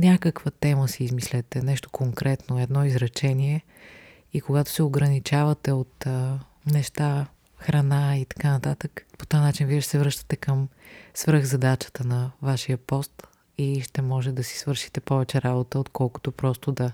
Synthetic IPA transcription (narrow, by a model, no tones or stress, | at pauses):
nʲakəkvət̪ɛməsiːzmislʲɛt̪ɛnɛʃt̪o̥koŋkɾɛt̪noɛd̪nɔizɾɐt͡ʃɛniɛ | ikoɡat̪o̥sɛoɡɾɐnit͡ʃavɐt̪ɛot̪ə | nɛʃt̪a | xɾɐnait̪ɐ̥kanɐt̪at̪əkpo̥t̪ojnat͡ʃinviɛʃɛsɛvɾɤʃt̪ə̥t̪ɛkəmsvɾəɣzɐd̪at͡ʃə̥t̪ənɐvaʃiəpɔst̪ | iʃt̪ɛmɔʒɛd̪ɐsi̥svɤɾʃi̥t̪ɛpɔvɛt͡ʃɛɾabot̪əot̪kʰɔlˠko̥t̪opɾɔst̪od̪ɐ